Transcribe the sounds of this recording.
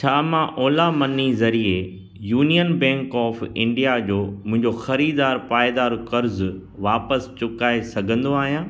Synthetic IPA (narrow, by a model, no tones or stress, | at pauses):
t͡ɕʰaːmãʔɔːlamɐnizɐɾie | juːnijənbɛ̃ːŋkɔːfɪ̰̃ɳɖijad͡ʑoːmʊ̃ɦɪ̃ɲd͡ʑoxɐɾiːd̪aːɾpaːed̪aːɾkɐɾz | ʋaːpəst͡ɕʊkaːesɐɡʱə̃nd̪oaːɦijãː